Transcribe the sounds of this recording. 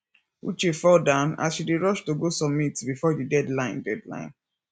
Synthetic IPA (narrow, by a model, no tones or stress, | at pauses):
ṵt͡ʃefɔdãna̰sʃideɹɔʃtoɡosɔmitbifɔdidɛdlãɪ̃ndɛdlã̰ɪ̃n